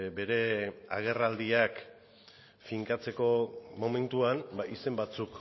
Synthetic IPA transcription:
be̞ɾe̞a̰ɣ̞e̞rald̪iak | fiŋkat͡se̞ko̞mo̞me̞nt̪uanbaise̞mbat͡suk

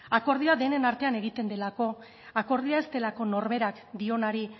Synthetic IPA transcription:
ako̞ɾð̞iaðe̞ne̞naɾt̪e̞ane̞ɣit̪e̞nd̪e̞lako̞ | ako̞ɾðiae̞st̪e̞lako̞no̞ɾme̞ɾak | d̪io̞naɾi

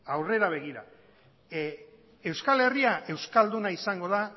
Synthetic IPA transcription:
awre̞ɾaβ̞e̞ɣ̞iɾa̰ | e̞wskale̞riaʔe̞wskald̪unaisaŋɡo̞ða

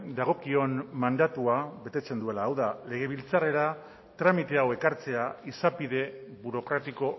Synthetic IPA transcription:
d̪aɣ̞o̞kio̞nmand̪at̪uaβe̞t̪e̞t͡se̞nd̪ue̞laːwðale̞ɣ̞e̞β̞ilt͡sare̞ɾa | t̪ɾamit̪e̞awe̞kaɾt͡se̞aisapiðe̞βuɾo̞kɾat̪iko̞

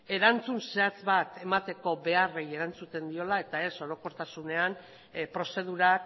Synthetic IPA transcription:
e̞ɾant͡sunse̞at͡sβat̪e̞mat̪e̞ko̞be̞areje̞ɾant͡sut̪e̞nd̪io̞lae̞t̪ae̞so̞ɾo̞ko̞ɾt̪asune̞an | pɾo̞se̞ð̞uɾa

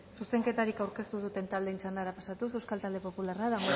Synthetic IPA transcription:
suse̞ŋke̞t̪aɾikawɾke̞st̪uð̞ut̪e̞nt̪ald̪e̞it͡sand̪aɾapasat̪us̬e̞wskalt̪ald̪e̞po̞pularaðaŋɡo

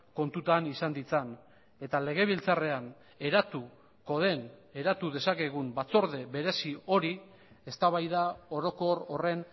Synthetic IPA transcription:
ko̞nt̪ut̪anisand̪it͡san | e̞t̪ale̞ɣ̞e̞β̞ilt͡sare̞an | e̞ɾat̪u | ko̞ð̞e̞ne̞ɾat̪uðe̞sake̞ɣ̞umbat͡so̞ɾðe̞βe̞ɾe̞sio̞ɾi | e̞st̪aβajðao̞ɾo̞ko̞ɾo̞re̞n

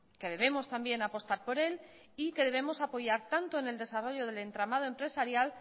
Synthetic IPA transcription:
ke̞ð̞e̞β̞e̞mo̞st̪ambje̞napo̞st̪aɾpo̞ɾe̞l | ike̞ðe̞β̞e̞mo̞sapo̞ʝaɾt̪ant̪oe̞ne̞ld̪e̞saro̞ʎo̞ð̞e̞le̞nt̪ɾamað̞oe̞mpɾe̞saɾjal

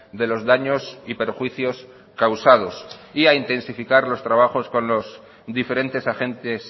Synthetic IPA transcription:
d̪e̞lo̞zðaɲo̞sipe̞ɾxwiθjo̞s | kawsað̞o̞siaint̪ẽ̞nsifikaɾlo̞st̪ɾaβ̞axo̞sko̞nlo̞s | d̪ife̞ɾe̞nt̪e̞saxẽ̞nt̪es

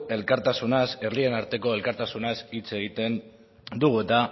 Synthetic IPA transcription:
e̞lkaɾt̪asunaseɾrlie̞naɾt̪e̞ko̞e̞lkaɾt̪asunasit͡se̞ɣ̞it̪e̞n | d̪uɣuet̪a

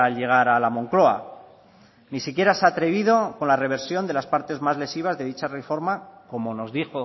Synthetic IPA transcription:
alʝe̞ɣ̞aɾalamo̞ŋklo̞a̰ | nisikje̞ɾasat̪ɾe̞β̞iðo̞ko̞nlare̞β̞e̞ɾsjo̞nd̪e̞laspaɾt̪e̞zmazle̞siβ̞azðe̞ðit͡ʃarefo̞ɾmako̞mo̞no̞zðixo̞

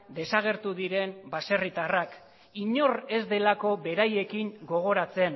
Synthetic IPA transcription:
d̪e̞saɣ̞e̞ɾt̪uðiɾe̞mbase̞rit̪arak | iɲo̞re̞zd̪e̞lako̞βe̞ɾaje̞kiŋɡo̞ɣ̞o̞ɾat͡se̞n

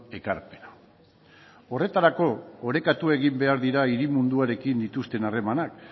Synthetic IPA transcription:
e̞kaɾpe̞na | o̞re̞t̪aɾako̞ːɾe̞kat̪ue̞ɣimbe̞aɾðiɾaiɾimund̪uaɾe̞kind̪it̪ust̪e̞nare̞manak

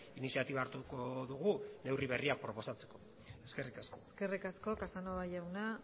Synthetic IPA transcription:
inisiat̪iβaɾt̪ukoðuɣune̞wriβ̞e̞riak̚pɾo̞po̞sat͡se̞ko̞ | e̞ske̞rikasko̞eske̞rikasko̞kasanoβajawna

